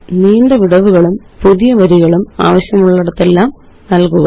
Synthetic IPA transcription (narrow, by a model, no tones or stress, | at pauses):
niːɳdeʋiɽɐʋuɣɐɭum | puðijɐʋɐɾiɣɐɭuma̰ːʋɐɕjɐmuɭːɐɽɐt̪ːe̞lːaːm | nɐlkuɣɐ